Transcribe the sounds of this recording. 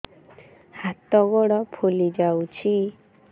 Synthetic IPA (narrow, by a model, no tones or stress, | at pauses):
hat̪ɔɡɔɽɔpʰolid͡ʒawt͡ʃʰi